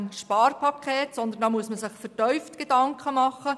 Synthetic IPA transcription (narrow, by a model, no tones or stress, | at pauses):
nʃpɑːrpʰɑkʰeːtsɔnd̪əndɑːmuəsməsɪχfəɾtœʏftɡ̥edɑŋkʰəmɑχːə